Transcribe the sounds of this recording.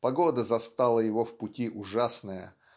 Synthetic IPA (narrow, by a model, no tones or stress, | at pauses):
pɐɡod̪əzɐst̪alˠəjɪvofpʊtʲiʔʊʐasnəjə̰